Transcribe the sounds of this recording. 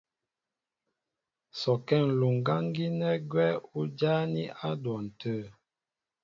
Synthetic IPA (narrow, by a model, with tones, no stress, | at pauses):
sɔ˨kɛ˦˨ŋ˨lu˨ŋ˨ɡa˦ŋ˦ɡi˦nɛ˦ɡwɛ˦u˦d͡ʒa˦ni˦ʔa˦dwɔ˨n̩˨tə˦˨